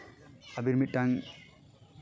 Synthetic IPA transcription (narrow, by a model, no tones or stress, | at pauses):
abiɾmit̚ːaŋ